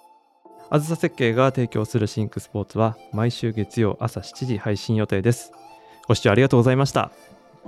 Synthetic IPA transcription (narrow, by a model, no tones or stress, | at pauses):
azɨsase̞kːe̞ːɡat̪e̞ːkʲo̞ːsɨɾɯ̟ɕĩŋkɯ̟sɨ̥po̞ːt͡sɨβamaiɕɨːɡe̞t͡sɨjo̞̰ːʔasaɕi̥t͡ɕiʑihaiɕĩjo̞t̪e̞ːd̪e̞sɨ̥ | ɡ̥o̞ɕi̥t͡ɕːaɾiɡat̪o̞ːɡo̞zaimaɕi̥t̪a̰